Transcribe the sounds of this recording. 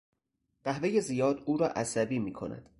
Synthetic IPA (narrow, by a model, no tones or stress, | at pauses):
ɢ̥æhve̞je̞zijɒːd̪uːɾɒ̰ːʔæsæbiːmiːkʰo̞̰næ̰d̪̥